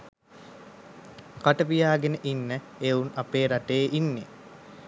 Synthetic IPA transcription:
kaʈəʋijaːɡenəʔinːə | eunapeːɾaʈeːʔinːe

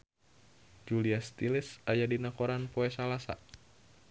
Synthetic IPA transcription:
d͡ʒuliast̪ilɪsajadinakɔɾanpoɛsalasa̰

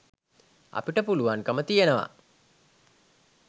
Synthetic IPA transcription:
a̰piʈəpuluʋaŋkəmət̪ijenəʋa̰

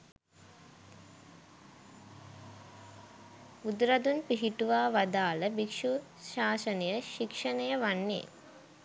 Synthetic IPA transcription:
ud̪ɾɐd̪unpiɦiʈuʋaːʋɐd̪aːləbikʂu | ʃaːsɐnɐjəʃikʂɐnɐjəʋanːḛ

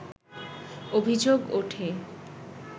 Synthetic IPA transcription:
obʱid͡ʑoɡoʈʰe

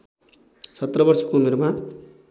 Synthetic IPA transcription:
sʌt̪rʌbʌrsʌ̥koumeɾma

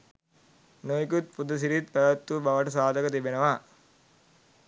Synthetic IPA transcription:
nojkut̪̚pud̪ɐs̬iɾit̪̚pɐd̪ɐt̪ːubɐʋɐʈɐsaːd̪ʱɐkɐt̪ibenɐʋa

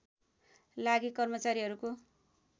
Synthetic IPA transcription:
laɡikʌrmʌt͡saɾiɦʌɾuko

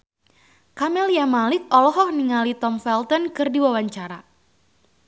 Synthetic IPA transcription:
kamɛljamalɪk̚ɔlɔɦɔhniŋalit̪ɔmfɛlt̪ɔnkɨrdiwawaɲt͡ʃaɾa

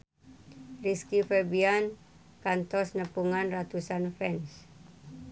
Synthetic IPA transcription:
riskifɛbian | kant̪ɔsnəpuŋanrat̪usanfɛns

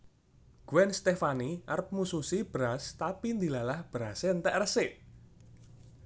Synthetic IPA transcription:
ɡ̥uwɛnst̪efaniʔarp̚mususib̥ɾast̪apind̪ilalahb̥ɾaseənt̪ɛʔrəsɪʔ

